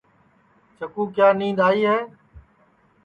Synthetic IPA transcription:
t͡ʃəkũːkjaːnĩːnd̪aːiːɦɛː

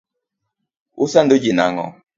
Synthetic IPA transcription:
usandod͡ʒina̰ŋɔ̰

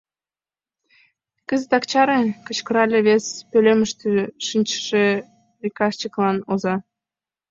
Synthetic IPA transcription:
kəzət̪ɑkt͡ɕɑɾekə̆t͡ɕkə̆ɾɑlʲeβespølʲeməʃt̪øʃinʲt͡ɕə̥ʃe | rikɑʃt͡ɕəklɑnozɑ

